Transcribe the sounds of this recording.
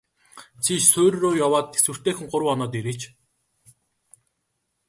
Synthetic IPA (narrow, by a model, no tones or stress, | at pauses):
t͡sʰiʃsʊːɾroːjawaːt̪esɘ̆w̥t̪eːxɘ̆ŋɢʊɾw̆wɔnɔːt̪̬eɾeːt͡ɕ